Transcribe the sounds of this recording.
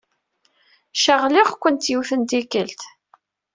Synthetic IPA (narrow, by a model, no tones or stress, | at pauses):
ʃəʁlɪʁkʷənt̪jiwθənd̪ikəlt̪